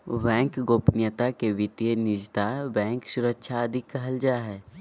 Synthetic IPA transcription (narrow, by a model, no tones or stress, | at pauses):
ʋɛ̃ːŋkɡoːpnjət̪akeʋɪt̪jenɪd͡ʒt̪abɛ̃ːŋksʊɾəkʃʰaəd̪ʱɪkːɐɦəld͡ʒaɦɛː